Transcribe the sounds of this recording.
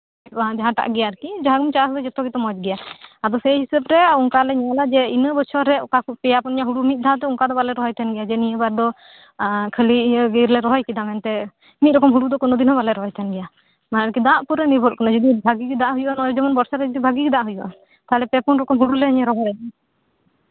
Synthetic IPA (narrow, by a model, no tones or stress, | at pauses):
aãd͡ʒaɦãʈa̰ʔɡɛjaɾkid͡ʒaɦaɡumt͡ʃasd̪ɔd͡ʒɔt̪ɔkɡit̪ɔmɔd͡ʒɡɛjaad̪ɔsɛɦisəbɾɛɔŋkalɛɲalad͡ʒɛinəbɔt͡ʃʰɔɾɛʔkakpɛjapɔnɲaɦuɽumit̪̚d̪aat̪ɛɔŋkad̪ɔbalɛɾɔɦɔjt̪ʰɛnɡɛjad͡ʒɛnijəbaɾd̪ɔ | kʰəliɡiɾlɛɾɔɦɔjkid̪amɛnt̪ɛ | mit̪̚ɾɔkɔmɦuɽud̪ɔkɔnɔd̪inɦɔbalɛɾɔɦɔjt̪ʰɛnɡɛja | manɾkid̪aʔpuɾɛnibʱɔʔ̚kɔnad͡ʒɔd̪ibʱaɡikid̪aʔɦujuʔanɔjd͡ʒɛmɔnbɔɾsaɾɛd͡ʒɔd̪ibʱaɡikid̪aʔɦujuʔa̰ | t̪aɦɛlɛpɛpɔnɾɔkɔmɦuɽulɛəɲɛɾɔɦɔjad̪